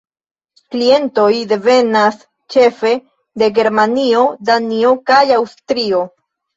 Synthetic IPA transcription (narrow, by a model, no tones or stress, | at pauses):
klie̞nto̞jde̞ve̞nas | t͡ʃe̞fe̞ | de̞ɡe̞ɾmanio̞danio̞kajawstɾio̞